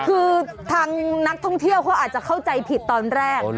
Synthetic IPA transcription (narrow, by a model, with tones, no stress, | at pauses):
kʰɯː˧t̪ʰaː˧ŋna˦˥k̚t̪ʰɔ˥˩ŋt̪ʰi˥˩əwkʰɔː˦˥ʔaː˨˩t̪̚t͡ɕa˨˩kʰa˥˩wt͡ɕa˧jpʰi˨˩t̪ːɔː˧nɾɛː˥˩k̚